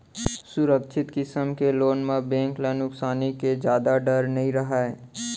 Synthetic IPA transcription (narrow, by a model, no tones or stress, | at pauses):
sʊɾəkʃʰɪt̪kɪsəmkeloːnmãbẽːŋklanʊksaːniked͡ʒjaːd̪aɖəɾnɐɦĩɾɐɦaɛː